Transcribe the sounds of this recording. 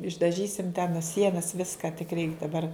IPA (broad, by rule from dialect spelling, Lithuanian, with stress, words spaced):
ɪʒdɐˈʒʲiːsʲɪm tʲɛn ɐ ˈsʲiɛnɐs ˈʋʲɪskɐ tʲɪk rʲɛɪk dɐˈbɐr